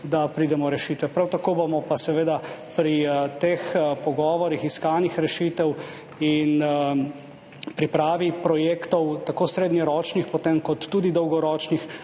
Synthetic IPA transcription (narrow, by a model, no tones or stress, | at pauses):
d̪apɾiːd̪ɛmɔɾɛʃiːt̪ʋɛpɾawt̪akobomɔpasɛʋeːd̪apɾit̪expɔɡɔːʋɔɾixiskaːnixɾɛʃit̪ɛw | in | pɾipɾaːʋipɾɔjeːkt̪ɔwt̪akosɾeːd̪nɛɾɔːt͡ʃnixpɔt̪emkɔt̪ːuːd̪id̪ɔwɡɔɾɔːt͡ʃnix